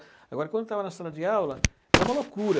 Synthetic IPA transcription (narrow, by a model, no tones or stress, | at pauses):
aɡwaɾkont̪avanast̪alad̪iawla | lamalɔkːuːɾa